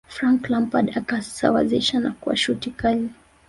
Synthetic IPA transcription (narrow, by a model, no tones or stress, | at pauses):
fɾaŋklampadakasa̰wa̰ziʃanakua̰ʃutikali